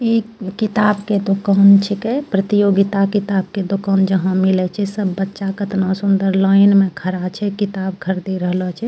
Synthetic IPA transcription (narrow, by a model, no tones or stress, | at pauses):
ikit̪abked̪okant͡ʃʰikɛpɾət̪ijoɡit̪akit̪abked̪okand͡ʒəɦãmilɛt͡ʃʰɛsəbːətːʃakət̪nasund̪əɾlaɪnmẽkʰəɾat͡ʃʰɛkit̪abkʰəɾd̪iɾəɦlɔt͡ʃʰɛ